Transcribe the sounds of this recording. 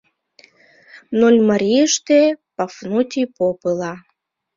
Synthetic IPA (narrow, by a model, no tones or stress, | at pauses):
nolʲmaɾʲiəʃt̪epafnut̪ʲipopɨlˠɑ